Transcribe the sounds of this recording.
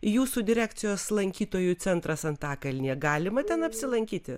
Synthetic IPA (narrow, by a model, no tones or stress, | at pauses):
juːsud̪ʲɪɾʲæːkt̪sʲɪjoːslˠɐŋʲkʲiːt̪oːjʊt͡s̪ʲɛnt̪ɾɐsɐnt̪ɑːkɐlʲnʲiɛɡɑːlʲɪmɐt̪ʲɛnɐpʲsʲɪlˠɐŋʲkʲiːt̪ʲɪ